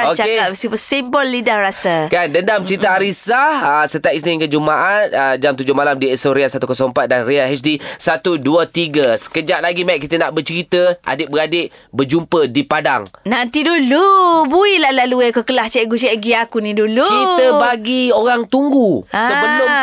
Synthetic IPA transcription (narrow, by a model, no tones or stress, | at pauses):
okt͡ʃaekat̚bisipusimbɔlːidahrasakandəndamt͡ʃəit̪aaɾisaəsət̪iaʔ̚isniŋkəd͡ʒumaʔat̪̚əd͡ʒamt̪ud͡ʒʊmalamdiɛsoɾeasat̪ukəsompat̪̚danreahɛt͡ʃdisat̪uduət̪iɡəsə̥kəd͡ʒaʔ̚laɡimaiʔ̚k̬ːit̪ənaʔbət͡ʃəɾit̪əʔa̰dɪʔ̚bəɾadɪʔbərd͡ʒumpədipadaŋnant̪idulubuilahlaluɛkokəlaht͡ʃɛʔɡut͡ʃɛʔɡiakunĩdulukit̪əbaɡioɾaŋt̪uŋɡuasəbəlʊm